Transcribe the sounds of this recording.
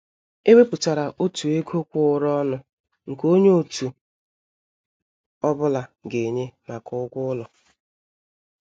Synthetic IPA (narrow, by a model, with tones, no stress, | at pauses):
e˦we˦pʊ˨ta˨ɾa˨ʔo˦tu˨e˦kʰo˦kʷʊ˦ʊ˦ɾɔ˦nʊ˦ | ŋ̩˨ko˦ɲe˦o˨tu˨ | ɔ˦bʊ˦la˨ɡe˨ɲe˦ma˨kʊ˦ɡʷʊ˦lɔ˨